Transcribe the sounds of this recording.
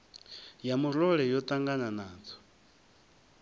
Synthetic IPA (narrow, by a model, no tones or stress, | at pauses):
jamuɾɔɺɛjɔt̪ʼaŋɡananaːt͡sʰɔ̥